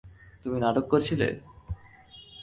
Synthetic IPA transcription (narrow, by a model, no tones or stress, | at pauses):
t̪uminaʈokːoɾt͡ɕʰilḛ